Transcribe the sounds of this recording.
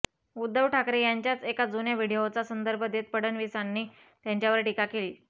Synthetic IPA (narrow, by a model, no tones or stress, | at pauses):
ud̪ːəʋʈʰakɾejaɲt͡ɕjat͡sekad͡zunjaʋiɽiot͡sasənd̪əɾbʱəd̪et̪̚pəɽənʋisanːiː | t̪jaɲt͡ɕjaʋəɾʈikakeliː